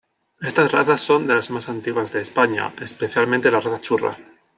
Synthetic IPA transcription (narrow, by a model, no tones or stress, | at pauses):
e̞st̪asraθasːo̞nd̪e̞lazmasant̪iɣwazðe̞ːspaɲa̰e̞spe̞θjalmẽnt̪elaraθat͡ʃura̰